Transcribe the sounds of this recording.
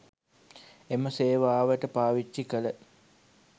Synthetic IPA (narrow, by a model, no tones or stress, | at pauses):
eməseːʋaːʋəʈəpaːʋit͡ʃːikələ